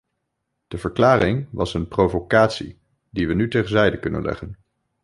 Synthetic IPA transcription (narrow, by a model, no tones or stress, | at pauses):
d̥əvəɹklaːrɪŋʋɑsənprowvokaːtsḭ | diʋənytejχənzɛjdəkɵnə̰nlɛ̰χən